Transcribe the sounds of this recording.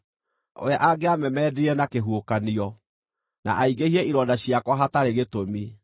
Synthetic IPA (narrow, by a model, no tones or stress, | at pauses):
o̰ɛʔaɡeamɛmɛːdiɾɛnakeɦuokaniɔ | na̰ʔaiɡehiɛʔiɾɔdaɕiakwɔɦataɾeɣetomi